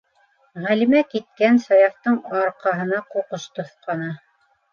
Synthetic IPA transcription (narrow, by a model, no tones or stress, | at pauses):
ʁælimækit̪̚kænsɑjɑft̪ɤɴɑɾqɑɦɤ̆nɑquqɤʃt̪ŏθqɑnɑ